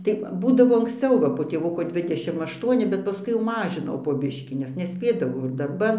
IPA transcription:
tɐɪ ˈbuːdɐʋoː ɐŋksʲˈt͡sʲɛʊ ʋɐ poː tʲeːˈʋʊkoː ˈdʲʋʲɪdʲɛʃʲɪm ɐʃˈtuɔnʲɪ bʲɛt pɐˈskʊɪ jɛʊ ˈmɑːʒʲɪnɐʊ poː ˈbʲɪʃʲkʲiː nʲɛs nʲɛˈsʲpʲeːdɐʋɐʊ ɪr dɐrˈbɐn

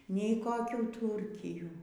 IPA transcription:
nʲɛɪ koːˈkʲuː ˈtuːrʲkʲɪjuː

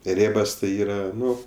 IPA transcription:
ˈrʲeːbɐs tɐɪ ˈiːrɐ ˈnʊ

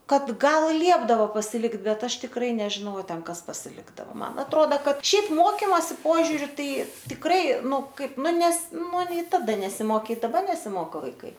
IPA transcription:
ˈkɐt ˈɡɐlˠ ˈlʲiɛbdɐʋoː pɐsʲɪˈlʲɪkt ˈbʲɛt ˈɐʃ tʲɪkˈrɐɪ nʲɛʒʲɪˈnɐʊ ɐ ˈtʲɛn ˈkɐs pɐsʲɪˈlʲɪɡdɐʋoː ˈmɐn ɐtˈroːdɐ ˈkɐt ˈʃʲɛɪp ˈmoːkʲɪmoːsʲɪ ˈpoːʒʲuːrʲʊ ˈtɐɪ tʲɪkˈrɐɪ ˈnʊ ˈkɐɪp ˈnʊ nʲɛs ˈnʊ nʲɛɪ ˈtɑːdɐ nʲɛsʲɪmoːˈkʲeː ɪ dɐˈbɐr nʲɛsʲɪˈmoːkoː ʋɐɪˈkɐɪ

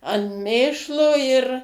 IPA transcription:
ɐn ˈmʲeːʃlˠoː ɪr

